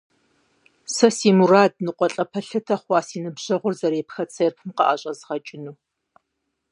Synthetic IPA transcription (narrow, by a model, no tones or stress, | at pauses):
sɐsiːmuraːd̚nɨqʷʼɔɬʼɐpʰɐɬɐtʰɐχʷɑːsiːnɨbʑɐʁʷʊrzɐɾeːpxɐt͡sʰɐrpʰɨmqɑ̰ʔaɕʼɐzʁɐt͡ʃʼɪnuː